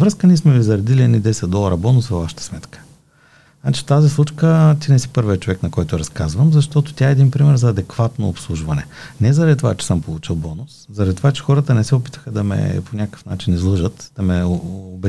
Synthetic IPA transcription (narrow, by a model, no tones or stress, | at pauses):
vɾəskəniɛsmɛvizɐɾɐd̪iliɛd̪id̪ɛsɛt̪̚d̪ɔlˠɐɾɐbɔnʊsvɐvaʃə̥t̪ə̥smɛt̪kə̥ | na̰t͡ʃi̥t̪azislˠut͡ʃkət̪inɛsi̥pɤɾviɛt͡ʃovɛknɐkɔjt̪oɾɐskazvəmzɐʃt̪ɔt̪o̥t̪ʲjaɛːd̪inpɾimɛɾzɐːd̪ɛkvat̪noːpslˠuʒvɐnɛ̰nɛzɐɾɐd̪it̪ovat͡ʃɛ̥səmpolˠut͡ʃilˠbɔnʊszɐɾɐd̪it̪ovat͡ʃɛ̥xɔɾət̪ənɛsɛopi̥t̪ə̥xəd̪ɐmɛ̰ponʲakkə̥fnat͡ʃinizlˠəʒət̪d̪̥ɐmɛobɛ